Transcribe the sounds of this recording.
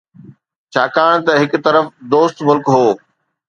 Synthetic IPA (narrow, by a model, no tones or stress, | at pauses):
t͡ɕʰaːkaːɽ̃t̪ɐɦɪkʊ̆t̪ɐɾəfd̪oːst̪mʊlkɦoː